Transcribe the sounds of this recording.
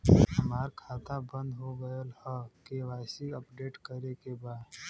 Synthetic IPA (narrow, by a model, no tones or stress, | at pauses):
həmaːɾkʰaːt̪abə̃nd̪ɦoɡəəlhəkeʋaːɪsiəpɖeːʈkəɾekebaːd̪